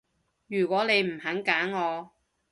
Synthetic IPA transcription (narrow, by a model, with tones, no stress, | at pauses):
jyː˨˩kʷɔː˨˥ne˨˧jm̩˨˩hɐ˨˥ŋkaː˨˥ŋːɔː˨˧